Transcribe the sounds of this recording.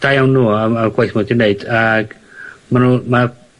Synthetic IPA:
d̥ajawnːuːaaɡwajθmudineɨd̥aɡ̥ | manuːma

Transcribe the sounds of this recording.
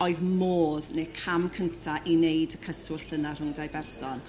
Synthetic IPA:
ɔɨðmoːðnekʰamkʰəntʰaʔinejdəkʰəsʊɬd̥ənar̥ʊŋdajbɛrsɔn

